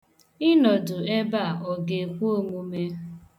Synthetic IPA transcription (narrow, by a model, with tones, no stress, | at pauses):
ɪ˦nɔ˨dʊ˨e˦ba˦˨ʔɔ˨ɡe˨kʷu˦o˦˨ŋʷu˦me˦